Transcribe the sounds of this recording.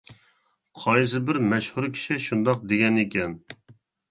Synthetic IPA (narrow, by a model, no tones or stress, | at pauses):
qʰɑjs̬ɨbɪɾmɛʃhuɾkʲʰi̥ʃiʃund̪ɑq̚d̪eɡʲɛnekʲɛn